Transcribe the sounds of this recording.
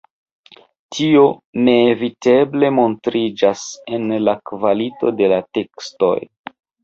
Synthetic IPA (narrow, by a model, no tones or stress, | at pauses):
tʰio̞ne̞ːvite̞ble̞mo̞ntɾid͡ʒase̞nlakvalito̞̰de̞late̞ksto̞̰j